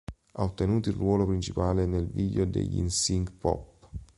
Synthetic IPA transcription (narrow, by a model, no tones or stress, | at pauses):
aot̪ːenuːt̪ilrwɔːlopɾint͡ʃipaːlenelviʎod̪ḛʎːḭnsiŋɡpɔ̰pː